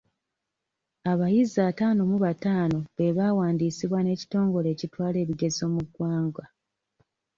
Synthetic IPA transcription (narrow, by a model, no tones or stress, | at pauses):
aβajizataːno̞muβataːno̞βe̞βaːwaːndiːsiβwane̞ːci̥to̞ːŋɡo̞le̞ːcitwaːle̞ːβiɡe̞zo̞ːmuɡwaːŋɡwa